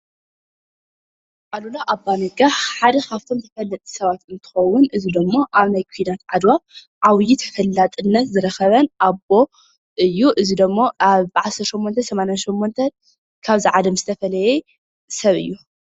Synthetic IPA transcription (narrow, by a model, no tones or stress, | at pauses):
ʔalulaʔabanɐɡaħad̪ɐkʰaft̪ʰo̞mt̪ʰɐfɐlːɐt̪ʼi̥sɐβat̪ɨnt̪ʰɨ̥xɐwʊnʔɨzid̪ɐmːoʔaβnajkʰid̪at̪ʕad̪waβ | ʕawjit̪ʰɐ̥fɐlːat̪ʼɨnːɐt̪zɨɾɐxɐβɐnʔabo̞ | ʔɨjːuʔɨzid̪ɐmːoʔaβbʕasɐɾt̪ʃomːont̪ʰɐsɐmanjanʃomːont̪ʰɐn | kʰaβziʕalɐmzɨt̪ʰɐfɐlɐje | sɐβɨ̰jːu